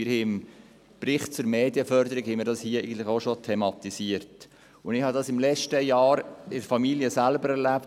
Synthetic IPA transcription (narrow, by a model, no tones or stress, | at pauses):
ɪɾhɪɪm | prɪχt̚t͡sʊɾmeːd̪iəfœɾd̪əɾikhɛɪmɪːɾdɑshiəæɪɡən̩tləχoʃotʰɛmɑt̪isiəɾt | ʊnɪχhɑd̪ɑsɪmlɛt͡ʃtəjɑːɾɪɾfɑmiljəsælbəɾɛɾlæp̚